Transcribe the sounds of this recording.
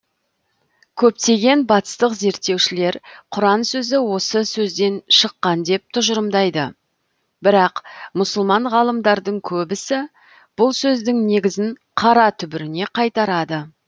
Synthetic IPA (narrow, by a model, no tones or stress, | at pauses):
kʲʰɵp̚t̪e̞ɡʲe̞nbɑt̪ə̥st̪əqze̞ɾt̪ːe̞wʃɪle̞ɾqʰʊɾɑnsɵzɪwo̞səsɵzd̪e̞nʃəqːɑnd̪e̞p̚t̪ʰʊʒəɾəmd̪ɑjd̪ə | bɪɾɑqmʊsʊlˠmɑɴʁɑlˠəmd̪ɑɾd̪əɴkʲʰɵbɪsɪ | b̥ʊlˠsɵzd̪ɪŋne̞ɡʲɪzɪŋ | qʰɑɾɑt̪ʰʏbɪɾɪne̞qʰɑjt̪ɑɾɑd̪ə